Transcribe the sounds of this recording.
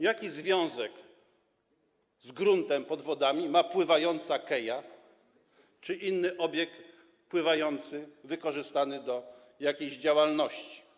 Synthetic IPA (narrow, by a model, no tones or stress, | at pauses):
jakʲizvʲjɔ̃w̃zɛk | zɡɾunt̪ɛmpɔd̪vɔd̪amʲimapwɘvajɔnt̪sakɛja | t͡ʂɘʔinːɘʔɔbʲjɛk̪̚ | pwɘvajɔnt̪sɘvɘkɔʐɘst̪anɘd̪ɔ | jakʲejʑd͡ʑawalnɔɕt͡ɕi̥